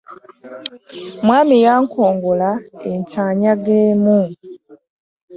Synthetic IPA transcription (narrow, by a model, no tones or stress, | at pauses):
mwaːmijaːŋkʰoːŋɡolaeɲcaːɲaɡeːmu